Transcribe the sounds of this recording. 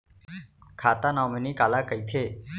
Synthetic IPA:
kʰaːt̪aːnãːmeniːkaːlaːkəit̪ʰeː

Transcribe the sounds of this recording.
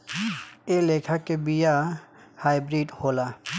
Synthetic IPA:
elekʰakebijahajbɾiɖhola

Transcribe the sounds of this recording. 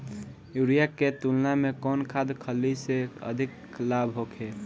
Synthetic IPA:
juɾijakːet̪ulnamekɔnkʰad̪kʰəlːiseə̰d̪ʱik | labɦokʰe

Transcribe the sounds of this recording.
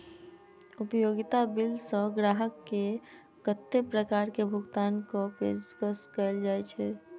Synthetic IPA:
ʊpəjoːɡɪt̪abɪlsɔɡɾaːɦəkːe | kət̪ːepɾəkaːɾkebʱʊɡt̪aːnkopḛskəskəld͡ʒaːɛt͡ʃʰɛː

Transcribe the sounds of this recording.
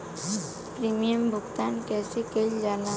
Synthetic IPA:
pɾimijəmbʱʊɡt̪ankɛːsekeld͡ʒana

